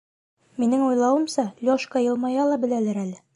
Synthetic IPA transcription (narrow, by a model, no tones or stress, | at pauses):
minɘŋujlˠɑwɤ̆msɑlʲoʃkɑjɤ̆lˠmɑjɑlˠɑbɘ̆lælæɾælɘ